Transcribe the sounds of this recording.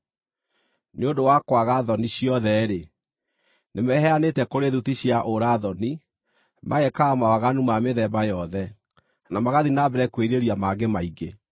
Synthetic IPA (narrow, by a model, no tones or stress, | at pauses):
neodowakwaɣaðɔniɕjɔðɛɾe | nemɛɦɛanetɛkoɾeðutiɕjaʔoɾaðɔni | mʔaɣɛkaːmawaɣanumameðɛbajɔðɛ | namaɣaðinabɛɾɛkweɾeɾiamaɡemaiɡe